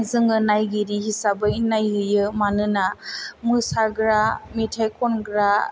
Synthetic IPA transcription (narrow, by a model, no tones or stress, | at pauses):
zɯŋɯnajɡiɾihisabɯnajhɯjɯmanɯnamɯsaɡɾametʰajkʰɔnɡɾa